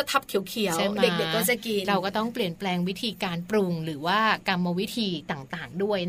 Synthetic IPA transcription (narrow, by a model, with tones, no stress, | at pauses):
t̪ʰa˦˥p̚t̪ʰi˨˩˦əwkʰi˨˩˦wde˨˩˧kde˨kːɔː˥˩t͡ɕa˧˩ki˧ɾa˧wkɔː˥˩t̪ɔ˥˩ŋpli˨˩ənplɛː˧ŋwi˦˥t̪ʰiː˧kaː˧npɾu˧ŋɾɯː˩˦waː˥˩ka˧mːa˧wi˦˥t̪ʰiː˧t̪aː˨˩ŋt̪aː˨˩ŋdu˥˩əj